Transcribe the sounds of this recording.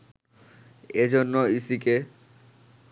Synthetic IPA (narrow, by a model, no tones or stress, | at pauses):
ed͡ʑonːoisike